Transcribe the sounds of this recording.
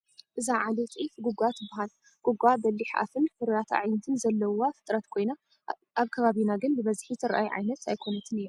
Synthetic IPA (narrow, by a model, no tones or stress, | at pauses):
ʔɨzaʕalet̪ʼʕifɡuɡʷat̪ʰɨbːaɦal | ɡ̥uɡʷabɐlːiħʔa̰fɨnfɨɾat̪ʰa̰ʕjnɐt̪ʰɨnzɐlːɐwafɨ̥t̪ʼɾɐt̪kʰo̞jna | ʔaβkʰɐβaβinaɡɨnbɨβɐzħit̪ʰɨɾʔa̰jʕa̰jnɐt̪ajkʰo̞nɐt̪ʰɨnijo